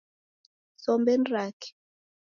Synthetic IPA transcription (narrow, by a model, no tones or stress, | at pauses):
sɔmbɛnrakɛ̥